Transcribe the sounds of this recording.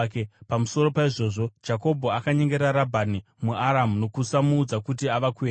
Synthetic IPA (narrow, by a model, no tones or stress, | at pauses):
kepamuso̞ɾo̞paiʐo̞ːʐo̞̥d͡ʒako̞bʱo̞akaɲe̞ŋɡe̞ɾaɾabʱani | muʔaɾamuno̞kusamuːd͡zakutiaʋakue